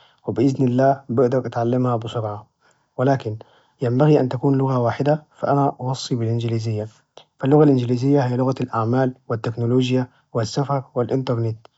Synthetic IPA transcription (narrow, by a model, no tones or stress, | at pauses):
wɪbɪʔɪznɪlːaːbɪʔd̪ɑɾʔat̪ʕalːamhabɪsʊɾʕa | wɪlaːkɪn | jambaɣiʔant̪akuːnlʊɣawaːħɪd̪afa̰ʔanaʔɑwɑsˤːibɪlʔɪnd͡ʒɪliːzɪjːa | falːʊɣalʔɪnd͡ʒɪliːzɪjːahijːalʊɣalʔaʕmaːlwɪt̪ːeknʊloːd͡ʒja | wɪsːafɑɾˤwɪlʔɪnt̪ɑɾˤnet̪